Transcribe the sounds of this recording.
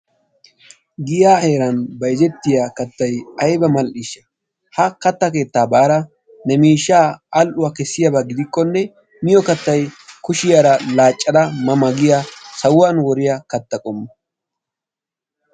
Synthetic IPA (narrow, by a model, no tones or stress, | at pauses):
ɡɪjaːhe̞ːɾɐnbɐjd͡ʒɛt̪ːɪjakɐt̪ːɐjɐjbɐmɐlʔɪʃɐ | hɐkɐt̪ːɐke̞ːt̪ːaːbaːɾɐ | nɛmiːʃːaːɐlʔʊwɐkɛsːɪjɐbaɡɪd̪ɪkːɔnːɛ | mɪjɔkɐt̪ːɐjkʊʃɪjaɾɐlaːt͡ʃʼːɐd̪ɐmɐmɐɡɪjasɐwʊwanwɔɾɪjɐkɐt̪ːɐkʼɔmːɐ